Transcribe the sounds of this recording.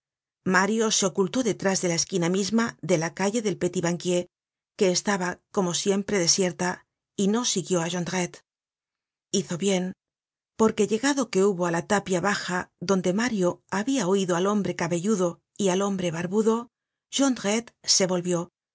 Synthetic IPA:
maɾjo̞se̞o̞kult̪o̞ðe̞t̪ɾazðe̞lae̞skinamizmaðe̞lakaʝe̞ðe̞lpe̞t̪iβaŋkje̞ | ke̞ːst̪aβako̞mo̞sje̞mpɾe̞ðe̞sje̞ɾt̪a | ino̞siɣjo̞aʒond̪ɾet̪ | iθo̞βje̞n | po̞ɾke̞ʎe̞ɣaðo̞ke̞uβo̞alat̪apjaβaxaðo̞nd̪e̞maɾjo̞aβiaoiðoalo̞mbɾe̞kaβe̞ʝuðo̞ | ialo̞mbɾe̞βaɾβuðo̞ | ʒ̥o̞nd̪ɾet̪se̞βo̞lβjo̞

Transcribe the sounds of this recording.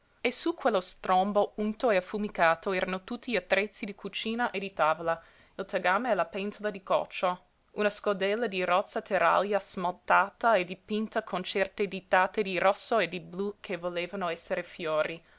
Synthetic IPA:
esukwelːost̪ɾombount̪oeafumikaːt̪oɛːɾanot̪ut̪ːiʎiat̪ːɾet̪sːid̪ikʰut͡ʃiːnaʔed̪it̪aːvola | ilt̪aɡaːmeɛlapɛnt̪ʰolad̪ikɔ̰t͡ʃːo | unaskod̪ɛlːad̪irɔt̪sːat̪ʰeɾa̰ljasmalt̪aːt̪aed̪ipint̪akʰont͡ʃɛrt̪ed̪it̪aːt̪ed̪irʔɔsːoed̪iblukʰevoleːvanoɛsːeɾefjoːɾi

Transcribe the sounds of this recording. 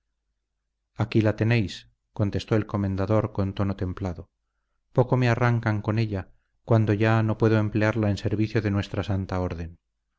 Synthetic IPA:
akilat̪e̞ne̞js | ko̞nt̪e̞st̪o̞elko̞mẽnd̪aðo̞ɾko̞nt̪o̞no̞t̪e̞mplaðo̞ | po̞ko̞mearaŋkaŋko̞ne̞ʎa | kwand̪o̞ʝano̞pweðoe̞mple̞aɾlaense̞ɾβiθjoðe̞nwe̞st̪ɾasant̪ao̞ɾðe̞n

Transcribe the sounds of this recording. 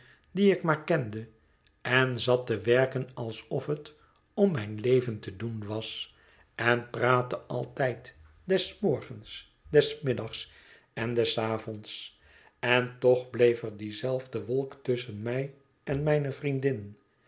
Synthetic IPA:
diɪkmaːɹkɛndə | ɛnzɑtəʋɛɹkənɑlˠsɔfɦət | ɔmɛjnlejvəntədunʋɑs | ɛnpraːtəʔɑ̰lˠtɛjt | dɛsmɔɹχəns | dɛsmɪdɑχs | ɛndɛsaːvɔnts | ɛntɔχblejfəɹdizɛlˠvdəʋɔlˠktʏsənmɛj | ɛnmɛjnəvrindɪn

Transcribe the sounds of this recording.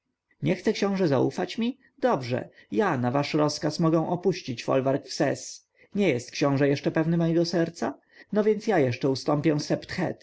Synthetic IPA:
ɲɛxt̪ɛkɕɔ̃w̃ʐɛza̰ṵfat͡ɕmʲi | d̪ɔbʐɛ̰janavaʂɾɔskasmɔɡɛ̃w̃ʔɔpuɕt͡ɕit͡ɕfɔ̰lvaɾkfsɛ̰s | ɲɛjɛst̪kɕɔ̃w̃ʐɛjɛʂt͡ʂɛpɛvnɘmɔjɛɡɔsɛɾt̪sa | nɔvʲjɛnt̪sjajɛʂt͡ʂɛust̪ɔmpʲjɛw̃sɛpt̪xɛ̰t̪

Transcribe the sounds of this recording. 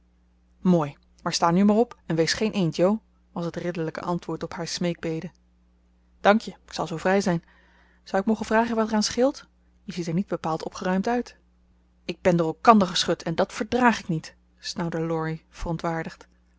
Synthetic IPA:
moːj | maːɹstaːnymaːrɔpɛnʋejsχejnʔejntjow | ʋɑsɦətrɪdələkə̰ʔɑntʋʊːɹtɔpɦaːɹsmejɡ̚bejdə | d̥ɑŋkjəɪ̥ksɑlˠzowvrɛjzɛjn | z̥ɑwɪk̚mowχənv̥raːχənʋɑtɛraːnsχɪlˠt | jəzitɛɹnid̚bəpaːlˠtɔpχərœɥmtœɥt | ɪɡ̚bɛndʊːrɛlˠkɑndəɹχəsχɵtʰɛndɑtfəɹdraːχɪknit | snɑwdəlɔɹiv̥ərɔntʋaːɹdəχt

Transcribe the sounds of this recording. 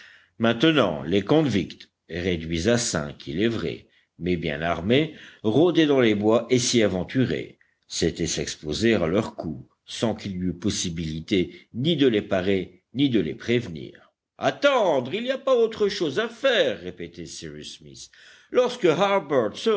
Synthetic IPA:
mɛ̃t̪ənɑ̰̃lekɔ̃vikt̪ | ʁed̪ɥizasɛ̰̃kʰilɛvʁɛ̰ | mɛbjɛ̰̃na̰ʁmeʁod̪ed̪ɑ̃lebwaʔesiavɑ̃t̪yʁḛ | set̪ɛsɛkspozealœʁku | sɑ̃kilyypɔsibilit̪enid̪əlepaʁe | nid̪əlḛpχevnḭːʁ | a̰t̪ɑ̃d̪ʁiliapaot̪χəʃozafɛʁːepet̪ɛsiʁismḭs | lɔʁskəɦaʁbœʁt̪sə

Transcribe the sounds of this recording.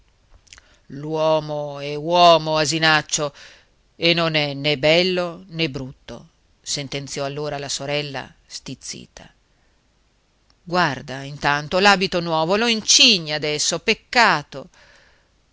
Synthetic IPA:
lwɔːmoɛwɔːmoazinat͡ʃːo | enːonɛnebɛlːonebɾut̪ːo̰ | sent̪ent̪sjɔalːoːɾalasoɾɛlːa̰ | st̪it̪sːḭːt̪ʰa̰ | ɡward̪aint̪ant̪olaːbit̪onwɔːvoloint͡ʃiɲːaad̪ɛsːopekːaːt̪o

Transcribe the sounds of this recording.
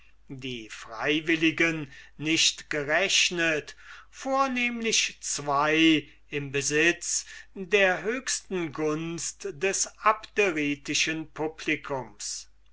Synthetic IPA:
diːfʁ̥a̰ɪvɪlɪɡənːɪʃtɡ̥əʁɛɕnətfoːɐneːmlɪʃt͡sv̥aɪ | ɪmbəzɪt͡sdeːɐɦøːkstn̩ɡʊnstdɛsapdɛʁiːtɪʃənpʰʊpʰlɪkʰʊms

